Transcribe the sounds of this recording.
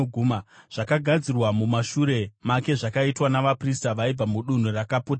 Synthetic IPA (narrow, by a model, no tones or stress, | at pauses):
ɡʱuːmaʐ̥akaɡʱad͡zirwamumaʃuɾe̞make̞ʐakaitwanaʋapristaʋaib͡vamuɗun̤urakaputa